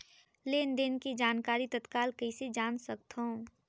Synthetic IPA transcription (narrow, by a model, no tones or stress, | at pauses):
leːnd̪eːnkid͡ʒaːnkaːɾit̪ət̪kaːlkɐised͡ʒaːnsək̚t̪ɦõ